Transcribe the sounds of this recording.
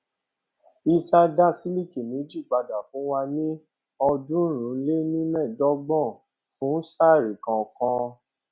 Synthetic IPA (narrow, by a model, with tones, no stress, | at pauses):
i˧sa˧da˦si˦li˦˨ki˨mĩ˨˦d͡ʒi˦˨ɡ͡ba˧da˨fũ˨˦wa˧nĩ˦ | ɔ˧dũ˦˨ɾ̃ũ˨˦le˦nĩ˦mɛ̃˦˨dɔ˨˦ɡ͡bɔ̃˦˨ | fũ˨˦sa˦˨ɾi˨kã˨kã˧